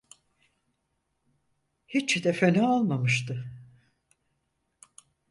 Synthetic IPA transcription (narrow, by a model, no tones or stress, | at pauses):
hit͡ʃːid̪ɛfenɛalˠmamɯʃt̪ʰɯ